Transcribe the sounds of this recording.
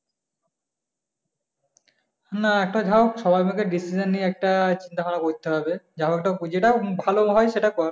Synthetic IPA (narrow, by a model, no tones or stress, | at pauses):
naɛk̚ʈad͡ʑʱaokʃɔbʱajmakeɖisid͡ʑanːieɛk̚ʈat͡ɕint̪akanakoɾit̪ʰːeɦabed͡ʑʱaoɛk̚ʈakd͡ʑeʈabʱaloɦɔeʃeʈakɔɾ